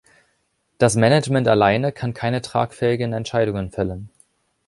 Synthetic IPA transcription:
d̥asmɛnɛd͡ʒmɛntalaɪnəkʰankʰaɪnətʁ̥a̰ːkfɛːɪɡənɛntʃaɪɾʊŋənfɛlən

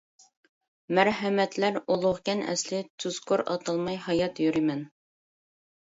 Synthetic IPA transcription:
mæɾɦɛmɛt̪læɾolˠʊʁkʲɛnɛ̰slɪt̪ʰyz̥kʰoɾɑ̰t̪ʰɑlˠmɑjhɑjɑt̪jyɾɪmɛn

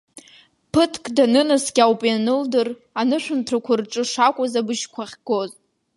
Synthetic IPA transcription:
pʰɨtʰkʼdanɨnasɡʲawpʼjanɨldɨr | anɨʃʷᶣʊmtʰakʷʰʊrʈ͡ʂʼɨʂakʷʼazabɨʃkʷʰaχʲɡoz

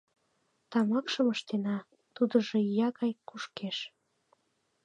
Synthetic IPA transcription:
t̪ɑmɑkʃəməʃt̪enɑ | t̪ud̪əʒĕjɑɣɑjkuʃkeʃ

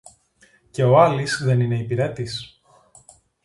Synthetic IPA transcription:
ce̞o̞ɐlisðe̞nine̞ipiɾet̪is

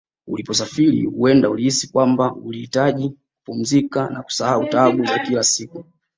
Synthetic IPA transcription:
ulipɔs̬afilḭhuɛndaulihisikwambaulihitaʄikupum̩zikanaku̥sahautaɡuzakilasiku

